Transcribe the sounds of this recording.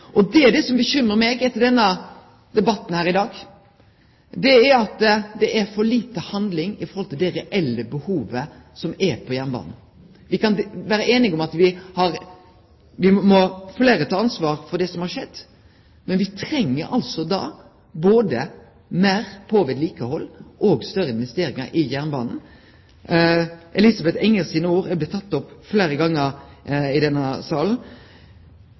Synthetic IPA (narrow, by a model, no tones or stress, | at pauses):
ʔɔd̪ɛæɖɛsɔmbəɕʏmɾəmɛɡɛt̪ːəɾɖɛnːə | d̪ɛbɑt̪ːn̩hæːɾɪd̪ɑːɡ | d̪ɛæɾɑt̪d̪ɛʔæɾfɔɾɭiːt̪əhɑnd̪lɪŋɪfɔɾhɔlt̪ɪld̪eːɾəʔɛlːəbəhuːʋəsɔmɛpʰɔjæmbɑ̰ːnn | ʋɪkɑnʋæːɾəʔeːnɪɡɔmɑt̪ʋɪhɑɾ | ʋɪmɔfleːɾət̪ʰɑːɑnsʋɑːʁfɔɖ̪ɛsɔmhɑɾʂɛd̪ː | mɛnʋɪt̪ʰɾɛŋːə̰ɾʔɑlsɔd̪ɑ̰ː | boːd̪ə | mæːɾpʰoːʋɛd̪liːkəhɔlːʔɔːɡst̪œɾːəɪnʋɛst̪eːɾɪŋə̰ɾʔɪjæʁnbɑ̰ːnn̩ | ʔɛliːsɑbɛt̪ɛŋːəɾsiːnəuːɾɛblɛt̪ʰɑt̪ːɔpːfleːɾəɡɑŋːəɾɪd̪ɛnːəsɑːln̩